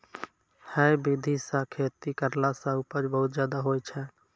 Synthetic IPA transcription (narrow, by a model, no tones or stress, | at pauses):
hɛbid̪ʱisãkʰeːt̪ikəɾlasãupəd͡ʒbəɦʊt̪d͡ʒjaːd̪aɦojt͡ʃʰɛ